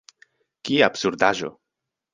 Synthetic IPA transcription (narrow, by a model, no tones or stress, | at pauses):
kiabsuɾd̪aʒo̰